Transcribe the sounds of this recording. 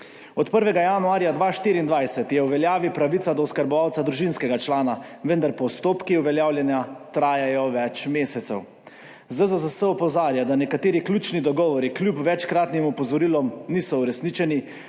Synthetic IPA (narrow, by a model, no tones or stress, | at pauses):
ɔt̪pəɾʋɛɡajanuaːɾjad̪ʋaːʃt̪iːɾiːnd̪ʋajsɛt̪jɛwʋɛljaːʋipɾaʋit̪sad̪ɔwskaɾbɔʋawt̪ad̪ɾuʒinskɛɡat͡ʃlaːnaʋənd̪aɾpɔst̪oːpkiuʋɛljaːwljɛnjat̪ɾaːjajɔʋɛt͡ʃmeːsɛt̪sɛw | zəzəzəsəɔpɔzaːɾjad̪anɛkat̪eːɾiklʲjuːt͡ʃnid̪ɔɡɔːʋɔɾiklʲjupʋɛt͡ʃkɾaːt̪nimɔpɔzɔɾilɔmniːsɔuɾɛsniːt͡ʃɛni